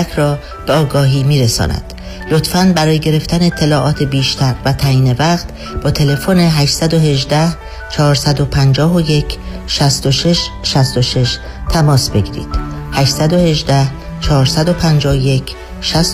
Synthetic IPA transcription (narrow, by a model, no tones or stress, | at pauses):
kʰɾɒː | b̥eɒːɡɒːɦiːmiːɾesɒ̰ːnæ̰d̪̥ | lot̪fænbæɾɒːjeɟe̞ɾe̞ft̪ʰæneet̪ʰːe̞lɒːʔɒːt̪ʰe̞biːʃt̪ʰæɾvæt̪ʰæjiːne̞væqt̪ | b̥ɒːt̪ʰe̞le̞fone̞ɦæʃsæd̪oɦe̞ʒd̪æh | t͡ʃʰɒːɾsæd̪o̞pʰænd͡ʒɒːɦoje̞cʰ | ʃæst̪oʃeʃʃæst̪oʃe̞ʃ | t̪ʰæmɒːsbe̞ɟiːɾḭːd̪̥hæʃsæd̪o̞he̞ʒd̪æht͡ʃʰɒːɾsæd̪o̞pʰænd͡ʒɒːhoje̞cʰ | ʃæs